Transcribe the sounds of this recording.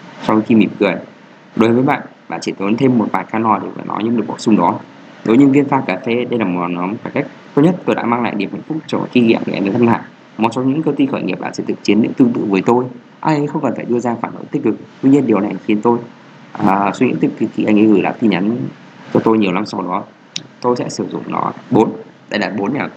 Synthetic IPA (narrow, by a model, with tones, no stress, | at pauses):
sɔ˧wxi˧mi˧˩mkɨ˨˩əj | ɗo˨˦jvəː˨˦jɓa̰ː˧˨nɓa̰ː˧˨nt͡ɕi˧˩t̪o˨˦nt̪ʰe˧mːo˨˩t̚vaː˨˩kaː˧nɔ˨˩ɗe˧˩və̰ː˧˥nɔ̰˨˦jɲɨ̰˧˥ŋɨ˨˩ək̚ɓsʊ˧ŋ͡mɗɔ˨˦ | ɗo˨˦jɲɨ˧ŋvi˧nfaː˧˩kaː˨˩fe˧ɗə˧jlaː˨˩mo˨˩t̚la˨˩nɔ˨˦mkaː˧˩ka˦˥jk̟̚t̪o˧˦˥ɲə˦˥t̚t̪o˧jɗa̰ː˧˥maː˧ŋla̰ː˧˨jɗi˨˩əmha̰˧˨ŋ̟fʊ˦˥k͡p̚t͡ɕɔ˧˨˩ki˧ɣḭ˧əmḭ˧˨a̰˧˩ŋ˧t̪ə˧nla̰ː˧˨j | mo˨˩t̚so˨˦ɲɨ̰˧˥ŋkəː˧wt̪i˧xəː˧˩jŋi˨˩p̚ɗa̰ː˧˩sɛ̰˧˥t̪ʰɨ˨˩k̚t͡ɕi˨˦ənɨ̰˧˥ŋt̪ɨ˧ŋt̪ɨ̰˧˨vəː˨˦jt̪o˧j | ʔaː˧˩jxə˧wŋ͡mkə˨˩nfaː˧˩jɗɨ˧əzaː˧faː˧˩nɗo̰˧˩˦jt̪ï˦˥k̟̚kɨ˨˩k̚t̪wi˧ɲi˧ənɗi˨əwna˨˩˨xi˨˦ənt̪o˧j | ʔəː˨˩swi˧ŋḭ˧˥t̪ʰɨ˨˩ki˨˩ki˧˩ʔa˧ŋʔə̰˨˧˦ɣɨ˧˩la̰ː˧˥t̪i˧˩nɲa˨˦n | t͡ɕɔ˧t̪o˧jɲi˨˩əwna˧msa˧˦wɗɔ˨˦ | t̪o˧jsɛ̰˧˥sɨ˧˩zʊ̰˧˨ŋ͡mnɔ̰˨˦ɓo˨˦nɗa̰˧jlaː˨˩t̚ɓo˨˦nmɛ˨˩w